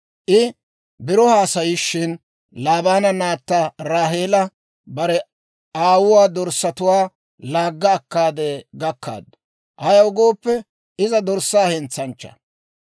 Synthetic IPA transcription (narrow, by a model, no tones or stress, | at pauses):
ʔɪ | bɪɾɔhaːsɐjɪʃːɪn | laːbaːnɐnaːt̪ːaɾaːɦe̞ːlɐ | bɐɾɛ | aːwʊwaːd̪ɔɾsːɐt̪ʊwaː | laːɡːɐːkːaːd̪eːɡɐkːa̰ːd̪ːʊ̥ | ʔɐjɐwɡo̞ːpːɛ | ʔɪzɐd̪ɔɾsːaːhɛnt͡sːɐnt͡ʃːɐ̥̰